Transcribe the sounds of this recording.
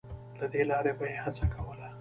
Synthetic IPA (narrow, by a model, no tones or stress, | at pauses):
lad̪elɑɾebajehat͡sakawəla